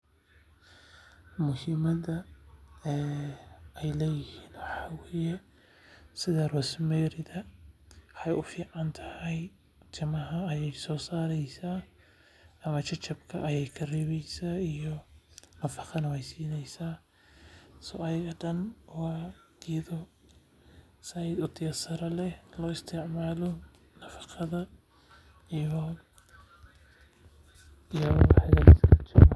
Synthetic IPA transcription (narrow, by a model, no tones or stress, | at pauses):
mʊhɪmɐðɐ | ɛː | ɛjlɛːjɪhiːnwɑħɑːwɛːjɛ | sɪðɐrɔːsmɛːɾɪðɐ | ɑjʔʊfiːʕɑnt̪ʰɐhɐj | t̪ʰɪmɐɦɐːjɛjsɔːsaːɾɛjsaː | ɐmɐt͡ʃʰɐt͡ʃɐbkʰɐʔɐjɛjkʰɐrɪβɛjsaːijɔnɐfɑqɑnɐwɛjsiːnɛjsaː | sɔ̰ːɐjɐɣɐɖɐnwɑː | ɪjɐðɔ | sɐjɪd̪ʊt̪ʰɪjɐsɐɾɐlɛlɔːɪst̪ʰɪʕmaːlɔ | nɐfɑ̥qʰɑðɐ | ijɔħɐɣast͡ʃɐm